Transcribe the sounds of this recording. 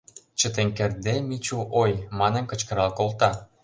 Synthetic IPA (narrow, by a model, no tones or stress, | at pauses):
t͡ɕə̆t̪eŋkĕrd̪emit͡ɕuʔojmɑnə̆nkə̆t͡ɕkə̆ɾɑlkolt̪ɑ